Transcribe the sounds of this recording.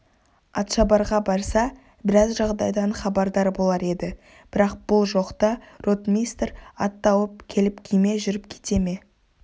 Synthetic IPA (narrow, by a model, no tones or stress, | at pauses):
ɑt̪ʃɑbɑɾʁɑbɑɾsɑ | bɪɾɑzʒɑʁd̪ɑjd̪ɑɴχɑbɑɾd̪ɑɾbo̞lˠɑɾe̞d̪ɪ | b̥ɪɾɑq̚b̥ʊlˠʒo̞qt̪ɑrot̪mist̪ɾɑt̪ːɑwəp̚kʲʰe̞lɪpkʲʰijme̞ʒʏɾɪp̚kʲʰe̥t̪e̞me̞